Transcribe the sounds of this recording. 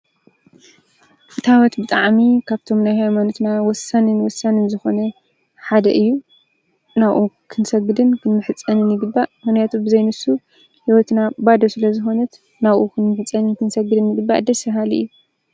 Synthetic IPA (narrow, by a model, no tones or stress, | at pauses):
ʔɨt̪ʰawɔt̪bɨt̪ʼaʕmikʰaβt̪ʰo̞mnajɦajmanot̪nawɔsanɨnwɔsːanɨnzɨxo̞nɐ | ħad̪ɐʔɨjːu | naβʔukʰɨnsɐɡːɨd̪ɨnkʰɨnːɨħɨt͡sʼːɐnɨnɨɡɨbːaʔmɨxnjat̪ʰubɨzɐjnɨsu | hiwɔt̪nabad̪ɐsɨlɐzɨxo̞nɐt̪ | naβʔukʰɨnmɨħɨt͡sʼːɐnɨnkɨnsɐɡːɨd̪ɨnjɨɡɨbːa̰d̪ɐsɐɦalɨ̰jːu